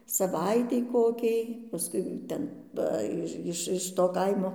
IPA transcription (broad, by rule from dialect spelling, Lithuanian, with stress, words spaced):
sɐˈʋɐɪtʲɛɪ ˈkoːkʲɛɪ pɐˈskʊɪ ˈtʲɛn ˈʋɐ ɪʃ ˈɪʃ ɪʃ toː ˈkɐɪmoː